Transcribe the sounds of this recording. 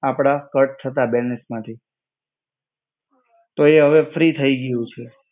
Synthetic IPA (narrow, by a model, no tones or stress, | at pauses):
apɽ̃akəʈ̚t̪ʰət̪abɛnesmãt̪ʰi | t̪oeɦəʋefɾit̪ʰəiɡəjũt͡ʃʰe